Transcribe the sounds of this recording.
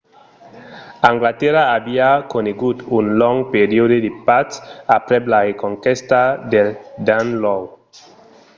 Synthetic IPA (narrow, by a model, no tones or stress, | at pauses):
ãŋɡlat̪ɛɾaːbiakoneɡut̪unlɔŋpeɾiodedepatapɾɛblaɾekoŋkɛst̪ad̪eld̪anlɔw